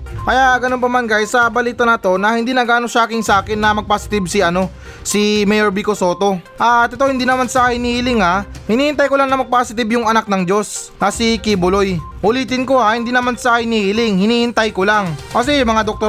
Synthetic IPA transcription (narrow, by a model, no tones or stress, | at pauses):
kɐjaʔɡɐnonpɐmankajsɐbɐliːt̪ɐnɐt̪o̞nɐhɪnd̪inɐɡaːnoʃɐʔaːkɪŋsɐʔaːkɪnːɐmɐɡ̚pasɪ̥t̪ɪb̚sɪʔɐno̞ | simɛjɛɾbikoso̞ːt̪o̞ʔat̪ːot̪ohɪnd̪iːnɐmansahɪniːhɪlɪŋhahɪniːhɪnt̪ajkolaŋnɐmɐɡ̚pasɪt̪ɪbjʊŋɐnak̚nɐŋd͡ʒo̞s | nɐsikibʊloj | ʔʊliːt̪̬ɪnko̞hahɪnd̪inɐmansɐhɪniːhɪlɪŋhɪniːhɪnt̪ajkolaŋkɐs̬ɛmɐŋad̪ok̚t̪o